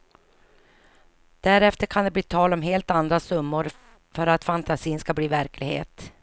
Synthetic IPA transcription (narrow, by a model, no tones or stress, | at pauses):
d̪̥æɾɛft̪əɾkʰand̪ɛbliːt̪ʰɑːlɔmɦeːlt̪and̪ɾasɵmːʊɾ | fœɾat̪fant̪asiːnskabliːvæɾkʰlɪɡhḛːt̪